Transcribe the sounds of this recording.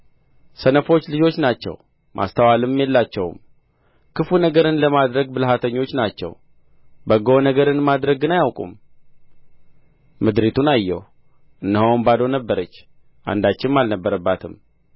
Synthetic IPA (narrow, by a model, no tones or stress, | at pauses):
sənəfo̞t͡ʃːlɨd͡ʒo̞t͡ʃːnat͡ʃːɛ̰w | mʔa̰st̪ʰəwalɨmjɛlːat͡ʃːɛwm | kʰɨfunəɡəɾɨnləmad̪ɾəɡbɨlɦat̪ʰəɲːo̞t͡ʃːnat͡ʃːɛ̰w | bəɡonəɡəɾɨnmad̪ɾəɡɨnajawkʼṵm | mɨd̪ɾit̪ʰunajːɛ̰w | ʔɨnːəhowmbad̪onəbːəɾət͡ʃː | ʔa̰nd̪at͡ʃːɪnmalnəbːəɾəbːat̪ʰɨm